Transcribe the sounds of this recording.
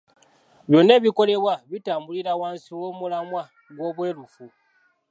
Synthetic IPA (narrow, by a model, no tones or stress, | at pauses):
βjo̞ːnːe̞ːβiko̞le̞βwaβitaːmbuliɾawaːnsiwo̞ːmulamwa | ɡwo̞ːβwe̞ːɾufu